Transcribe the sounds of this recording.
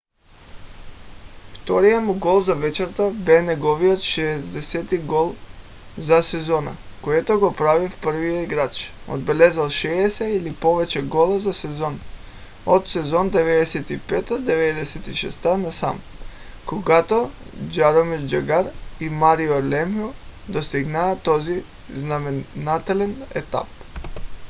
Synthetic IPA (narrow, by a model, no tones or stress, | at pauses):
ft̪ɔɾijamuɡɔlˠzavɛt͡ʃɛɾt̪abɛnɛɡɔvijɔt̪ʃɛːzd̪ɛsɛt̪iɡolˠ | zasɛzɔna̰koɛt̪oɡopɾavifpəɾ̩vijoiɡɾat͡ʃo̰d̪̚bɛlɛzalˠʃɛːsɛilipovɛt͡ʃɛɡɔlˠazasɛzɔn | ot̪sɛzɔnd̪ɛvɛd̪ɛsɛt̪ipɛt̪ad̪ɛvɛd̪ɛsɛt̪iʃɛ̰st̪anasam | koɡat̪od͡ʒaɾomiɾd͡ʒaɡaɾimaɾiolɛmiod̪ost̪iɡnaːt̪ɔzi | znamɛnat̪ɛlɛnɛ̰t̪a̰p̚